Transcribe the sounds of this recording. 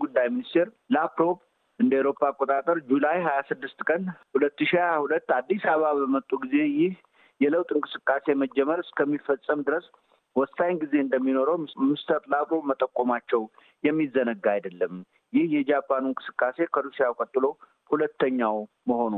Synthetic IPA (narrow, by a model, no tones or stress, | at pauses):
ɡud̪ːajminist̪ʰe̞ɾ | lapɾo̞b | ʔɨnd̪əːwɾo̞pʼːaːkʼːot̪ʼat̪ʼəɾd͡ʒulajɦajasɨd̪ːɨst̪kʼənhulət̪ːɨʃiahulət̪ːad̪ːisaβaβəmət̪ʼːuɡize̞jɪh | jɛləwt̪ʼɨnkʼɨsɨkʼːase̞məd͡ʒːɛməɾɨskʰəmːifəsʼːəmd̪ɨɾəs | wɔsajnɡize̞ɨnd̪əmːino̞ɾəwmɪst̪ʰəɾlapɾo̞bmət̪ʼəkʼːomat͡ʃːɛw | jɛmːizənəɡːajd̪əlːəm | jɪhjɛd͡ʒapʰʼːanunkʼɨsɨ̥kʼːase̞kʰəluʃijakʼət̪ʼːɨlo̞ | hulət̪ʰːəɲːaw | məho̞nu